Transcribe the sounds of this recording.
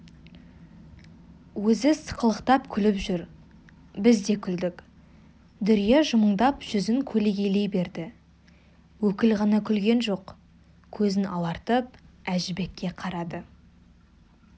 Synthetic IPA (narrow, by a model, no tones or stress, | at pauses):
wɵzɪsə̥qəlˠəqt̪ɑp̚kʲʰʏlɪpʒʏɾ | bɪzd̪e̞kʲʰʏld̪ɪk | d̪ʏɾijeʒəməɴd̪ɑpʒ̥ʏzɪŋkʲʰɵleɡʲe̞jle̞jbe̞ɾd̪ɪ | wɵkʲɪlʁɑnɑkʲʰʏlɡʲe̞nʒo̞q | kʲʰɵzɪnɑlˠɑɾt̪əp̚æʒɪbe̞kʲːe̞qʰɑɾɑd̪ə